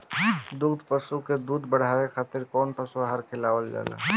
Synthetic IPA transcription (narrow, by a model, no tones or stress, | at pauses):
d̪uɡd̪ʱpəsuked̪uːd̪bəɽ̤awekʰaːt̪ɪɾkɔːnpəsuaɦaɾkʰelawəld͡ʒa̰la̰